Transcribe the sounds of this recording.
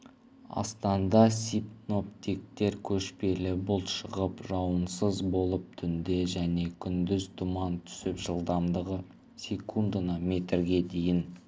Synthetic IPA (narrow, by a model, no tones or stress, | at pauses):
ɑ̰st̪ɑnd̪ɑsʲipno̞pt̪ik̚t̪e̞ɾkʲʰɵʃpe̞lɪbʊlˠʃəʁəpʒɑwənsəzbo̞lˠəp̚t̪ʰʏnd̪eʒæne̞kʲʰʏnd̪ɪzd̪ʊmɑnt̪ʰʏ̥sɪpʒəlˠd̪ɑmd̪əʁə | sʲe̞kʰund̪anɑme̞t̪ɾɡʲe̞d̪e̞jɪn